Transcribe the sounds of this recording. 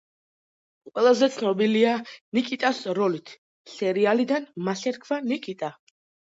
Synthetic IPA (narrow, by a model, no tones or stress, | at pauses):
qʼwɛlˠazɛt̪sʰnɔbilianikʼit̪ʼasɾɔlit̪ʰ | sɛɾialid̪anmasɛɾkʰvanikʼit̪ʼa